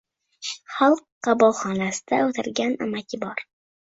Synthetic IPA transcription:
χɑlˠqːɑbɒlˠχɒnasɪ̥d̪aɵt̪ʰɪɾɡʲana̰makʲʰɪbɒɾ

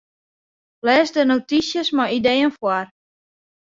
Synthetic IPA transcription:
lɛːsdənotisjəsmaidejənfwar

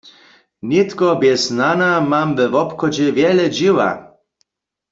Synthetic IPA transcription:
nit̪kɔbjɛznanamamvɛvɔpxɔd͡ʑɛvjɛlɛd͡ʑiwa̰

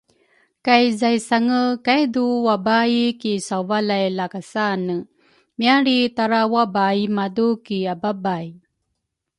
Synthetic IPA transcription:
kajzajsaŋəkajd̪uwabajkisawvalajlakasanə | miaɾit̪aɾawabajmadukiababaj

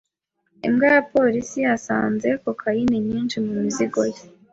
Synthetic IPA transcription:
ḭmɡajapo̞ɾisiasa̰ːnze̞kokʰajineɲiːnʃimumiziɡo̞je

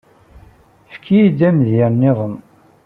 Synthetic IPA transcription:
fkʰiid̪æmðɪɾnːɪðˤəm

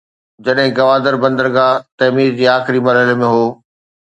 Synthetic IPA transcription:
d͡ʑɐɗɦɪ̃ɡɐʋaːd̪əɾbɐ̃nd̪əɾɡaːt̪ɐmiːɾd͡ʑiːaːxɪɾimɐɾɦəlemẽɦoː

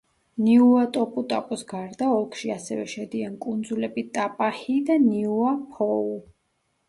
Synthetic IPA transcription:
niuat̪ʼɔpʼut̪ʼaqʼusɡaɾd̪aɔlˠkʰʃiasɛvɛ̰ʃɛd̪iankʼund̪zulɛbit̪ʼapʼahid̪aniuapʰɔu

